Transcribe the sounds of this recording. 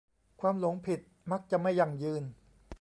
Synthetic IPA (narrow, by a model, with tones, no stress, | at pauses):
kʰwaː˧mlo˩˦ŋpʰi˨˩t̪̚ma˦˥k̚t͡ɕa˨˩ma˥˩jːa˨˩ŋjɯː˧n